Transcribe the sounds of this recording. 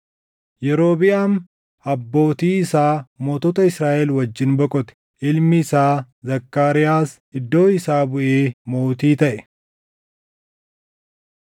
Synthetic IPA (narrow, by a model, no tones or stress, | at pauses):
jɛɾo̞ːbɪʔɐm | ɐbːo̞ːt̪iːɪsaːmoːt̪ɔt̪ɐɪsɾaːʔɛlwɐd͡ʒːɪnbɔkʼɔt̪ɛ̥ | ʔɪlmɪːsaː | zɐkːaːɾɪjaːs | ɪd̪ːo̞ːɪsaːbʊʔeːmo̞ːt̪iːt̪ɐʔɛ